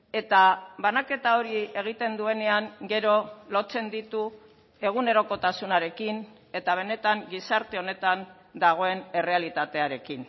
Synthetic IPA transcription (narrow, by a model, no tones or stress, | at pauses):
e̞t̪aβanake̞t̪ao̞ɾie̞ɣ̞it̪e̞nd̪ue̞ne̞aŋɡe̞ɾo̞lo̞t͡se̞nd̪it̪u | e̞ɣ̞une̞ɾo̞ko̞t̪asunaɾe̞kin | e̞t̪aβ̞e̞ne̞t̪aŋɡisaɾt̪e̞o̞ne̞t̪an | d̪aɣ̞o̞e̞ne̞re̞alit̪at̪e̞aɾe̞kin